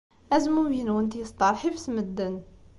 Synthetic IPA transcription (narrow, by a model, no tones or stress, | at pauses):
ʔæzmujənwənt̪ijəsˤt̪ˤɑɾˤħifsməd̪ːən